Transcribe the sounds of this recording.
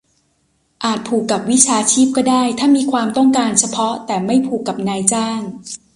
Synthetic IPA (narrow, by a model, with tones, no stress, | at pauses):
ʔaː˨˩t̪̚pʰuː˨˩kːa˨˩p̚wi˦˥t͡ɕʰaː˧t͡ɕʰiː˥˩p̚kɔː˥˩daː˥˩jt̪ʰaː˥˩miː˧kʰwaː˧mt̪ɔ˥˩ŋkaː˧nt͡ɕʰa˧pʰɔ˦˥t̪ɛː˨˩ma˥˩jpʰuː˨˩kːa˨˩p̚naː˧jt͡ɕaː˥˩ŋ